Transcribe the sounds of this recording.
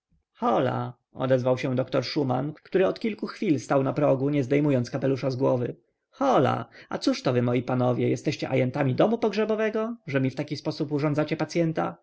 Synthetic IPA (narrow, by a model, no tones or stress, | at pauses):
xɔla̰ | ɔ̰d̪ɛzvawɕɛ̃d̪ɔkt̪ɔɾʂuma̰nkt̪uɾɘɔt̪kʲilkuxfʲilst̪awnapɾɔɡuɲɛzd̪ɛjmujɔnt̪skapɛluʂazɡwɔvɘ | xɔla̰a̰t̪suʂt̪ɔvɘmɔjipanɔvʲjɛjɛst̪ɛɕt͡ɕɛʔa̰jɛnt̪amʲid̪ɔmupɔɡʐɛbɔvɛɡɔʐɛmʲift̪akʲispɔsupuʐɔnd̪at͡ɕɛpat̪sʲjɛnt̪a̰